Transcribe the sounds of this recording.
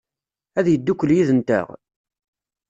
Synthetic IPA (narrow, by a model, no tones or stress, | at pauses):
æðjəd̪ːukʷːəljiðənt̪æ̰ʁ